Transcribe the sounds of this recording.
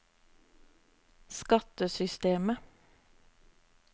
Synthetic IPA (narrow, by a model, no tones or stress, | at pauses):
skɑt̪əsʏst̪eːmə